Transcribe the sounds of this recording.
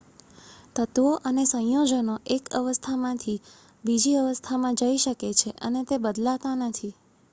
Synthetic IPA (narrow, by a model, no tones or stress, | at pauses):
t̪ət̪ʋoʔənesə̃jod͡ʒənoʔekə̰ʋəst̪ʰamãt̪ʰi | bid͡ʒiəʋəst̪ʰamãd͡ʒəiʃəket͡ʃʰeʔənet̪ebəd̪lat̪anət̪ʰi